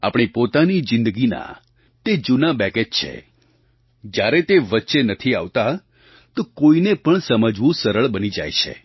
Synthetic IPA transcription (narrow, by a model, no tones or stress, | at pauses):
a̰pɳ̃ipot̪anid͡ʒɪ̃nd̪əɡina̰ | t̪ed͡ʒunabɛked͡ʒt͡ʃʰḛ | d͡ʒjaɾet̪eʋətːʃenət̪ʰiaʋt̪a | t̪okoinepəɳsəməd͡ʒʋũsəɾəɭbənid͡ʒa̰jt͡ʃʰḛ